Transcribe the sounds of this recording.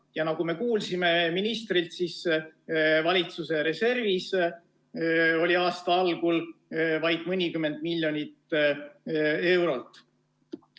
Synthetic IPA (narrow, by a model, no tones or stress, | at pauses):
jɑnɑɡ̥ume̞kuːlsime̞minist̪rilt̪sis | vɑlʲit̪suse̞ɾe̞se̞rvis | o̞lʲiɑːst̪ɑɑlɡ̥ulvɑjd̪̥mɤnʲikymːe̞nd̪̥milʲjo̞nʲit̪ | e̞wɾo̞lt̪ˑː